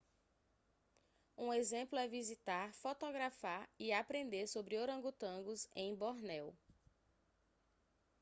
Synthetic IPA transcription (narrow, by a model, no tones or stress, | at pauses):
ũezẽplʊɛvizit̪aɾfot̪oɡɾafaɾiapɾẽnd̪eɾsobɾɪoɾɐ̃ɡut̪ɐ̃ɡʊzẽj̃bɔɾnɛw